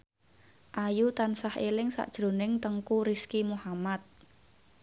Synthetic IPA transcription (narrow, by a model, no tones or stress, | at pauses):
ʔajut̪ansahelɪŋsa̰ʔd̥ʒ̥ɾo̤nɪŋt̪əŋkuɾiskimuhamat̪̚